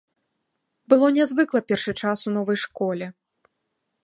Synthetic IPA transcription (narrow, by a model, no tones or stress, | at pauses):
bɨlˠɔnʲazvɨklˠɐpʲɛrʂɨt͡ʂasunɔvɐjʂkɔlʲɛ